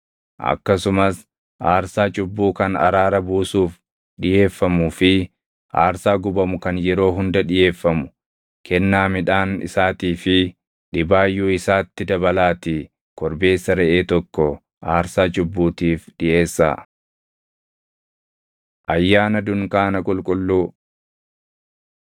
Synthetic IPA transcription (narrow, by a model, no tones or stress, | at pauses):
ʔɐ̰kːɐsʊmɐs | ʔaːɾsaːt͡ʃʼʊbːuːkɐnɐ̰ɾaːɾɐbuːsuːf | ɗɪje̞ːfːɐmuːfɪ | ʔaːɾsaːɡʊbɐmʊkɐnjɛɾo̞ːɦʊnd̪ɐᶑɪje̞ːfːɐmʊ̥ | kɛnːaːmɪᶑaːnɪ̰saːt̪iːfɪ | ᶑɪbaːjːuːɪsaːt̪ːɪd̪ɐbɐlaːt̪ɪ | kɔɾbe̞ːsːɐɾɛʔe̞ːt̪ɔkːɔ | ʔaːɾsaːd͡ʒʊbːuːt̪iːfᶑɪʔe̞ːsːa̰ː | ʔɐjːaːnɐd̪ʊŋkaːnɐkʼʊlkʼʊlːuː